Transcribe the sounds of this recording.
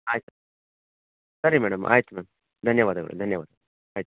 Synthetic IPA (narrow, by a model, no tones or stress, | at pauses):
aːjt̪ːɐ | sɐɾimɛːɽɐmʔa̰ːjt̪ːɐmɛɐm | d̪ʱɐnjɐʋaːd̪ɐɡɐ̰ɭṵd̪ʱɐnjɐʋa̰ːd̪ɐɡɭ | aːjt̪ː